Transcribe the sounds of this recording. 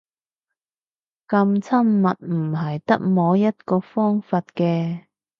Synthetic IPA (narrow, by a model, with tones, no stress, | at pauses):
kɐ˧mt͡sʰɐ˥mːɐ˨t̚m̩˨˩ɦɐ˨jt̪ɐ˥k̚mɔː˨˥jɐ˥t̚kɔː˧fɔː˥ŋfaː˧t̚kɛː˧